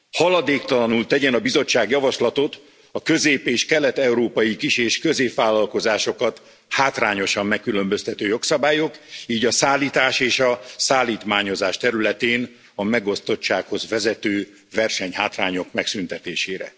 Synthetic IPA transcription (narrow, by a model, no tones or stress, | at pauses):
hɒlɒd̪eːkt̪ɒlɒnult̪ɛɟɛnɒbizo̞t͡ʃːaːɡjɒvɒʃlɒt̪o̞t̪ | ɒkø̞zeːpeːʃkɛlɛt̪ɛuɾoːpɒjikiʃeːʃkø̞zeːpʋaːlːɒlko̞zaːʃo̞kɒt̪ | haːt̪raːɲo̞ʃɒmːɛkːylø̞mbøst̪ɛt̪øːjo̞ksɒbaːjo̞kiːɟɒsaːlːiːt̪aːʃeːʃɒsaːlːiːt̪maːɲo̞zaːʃt̪ɛɾylɛt̪eːn | ɒmɛɡo̞st̪o̞t͡ʃt͡ʃːaːkho̞zvɛzɛt̪øː | vɛrʃɛɲhaːt̪raːɲo̞kmɛksynt̪ɛt̪eːʃeːɾɛ̰